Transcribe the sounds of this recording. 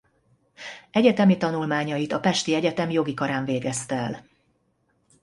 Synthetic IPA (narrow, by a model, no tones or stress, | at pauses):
ɛɟɛt̪ɛmit̪ɒnulmaːɲɒjit̪ɒpɛʃt̪iɛɟɛt̪ɛmjo̞ɡikɒɾaːɱveːɡɛst̪ɛɛl